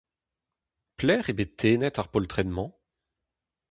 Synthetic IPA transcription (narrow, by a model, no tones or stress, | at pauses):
plɛːʁebet̪ʰːeːnɛt̪aʁpɔlt̪χɛnmɑ̃